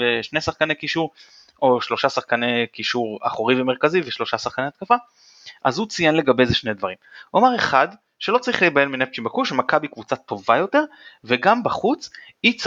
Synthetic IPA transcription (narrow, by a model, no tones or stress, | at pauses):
veʃnesaχkanekiʃuʁ | o̞ʃlo̞ʃasaχkanekiʃuʁa̰χoʁivemeʁkaziveʃlo̞ʃasaχkaneat̪kafa | ʔa̰zhut͡sijenle̞ɡabe̞jzeʃned̪vaʁimamaʁeχad̪ | ʃelo̞t͡saʁiχlebajelminep̚t͡ʃimbakuʃemakabikvut͡sat̪o̞vajo̞t̪e̞ʁveɡambaχut͡s | it͡s